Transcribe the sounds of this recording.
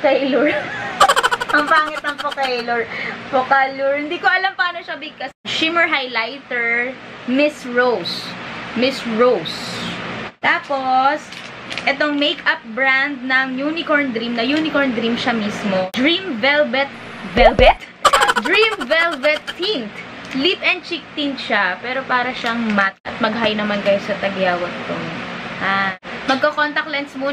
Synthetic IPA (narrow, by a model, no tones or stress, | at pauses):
kɐluɹ | ɐŋpaːŋɪt̪̚ɐŋpokɐɪlʊɹpokaluɹɪnd̪iːkoɐlɐmpaːnoʃɐbɪɡ̚kɐsʃɪmɛɹɦajlajt̪ɛɹ | mɪsɹowsmɪsɹows | t̪aːpos | ʔɛt̪oŋmejkɐp̚bɹand̪̚nɐŋjunɪkoɹnd̪ɾimnɐjuːnɪkoɹnd̪ɾimʃamismod̪ɹimvɛlbɛt̪̚ | vɛlbɛt̪̚ | d̪ɹĩmvɛlvɛt̪ːint̪ | lipɛn̚t͡ʃɪk̚t̪int̪̚ʃapɛːɾo̞paːɾɐʃaŋmat̪ʔɐt̪̚mɐɡ̚ɦaːjnɐmankɐjosɐt̪ɐɡjawɐt̪ːoŋʔamɐɡ̚kɐkont̪ɐk̚lɛnt̪smuː